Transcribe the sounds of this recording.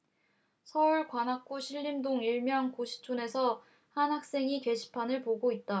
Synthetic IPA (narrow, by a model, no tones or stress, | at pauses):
sʰʌuɭkwanɦak̚k͈oɕʰiɭːimdoŋiɭmjʌŋkoɕʰi̥t͡ɕʰune̞sʰʌ | hanɦak̚s͈e̞ŋike̞ɕʰi̥pʰanɯɭpoɡoit̚t͈a